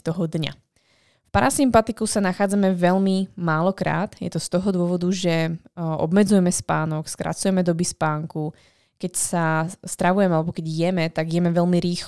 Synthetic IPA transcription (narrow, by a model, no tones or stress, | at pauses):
t̪ɔɦɔd̪ɲa̰ | fpaɾasimpat̪ikusanaxaːd͡zamɛʋɛʎmimaːlɔkɾa̰ːt̪jɛ̰t̪ɔst̪ɔɦɔd̪ʊɔʋɔd̪uʒɛɔ̰bmɛd͡zujɛmɛspaːnɔkskɾa̰t͡sujɛmɛd̪ɔbispaːŋku | kɛcsast̪ɾaʋujɛmɛalɛbɔkɛɟjɛmɛt̪aɡjɛmɛʋɛʎmiɾiːx